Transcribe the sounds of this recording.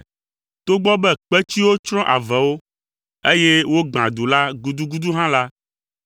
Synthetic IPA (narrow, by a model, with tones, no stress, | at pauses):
t̪o˦ɡ͡bɔ˦bɛ˦k͡pɛ˦t͡ɕi˦wo˦t͡ʃɾ̃ɔ̃˦ʔa̰˨vɛ˨wo˦ | e˦je˦wo˦ɡ͡bã˨d̪u˨la˦ɡu˨d̪u˦ɡu˦d̪u˦ɦã˦la˦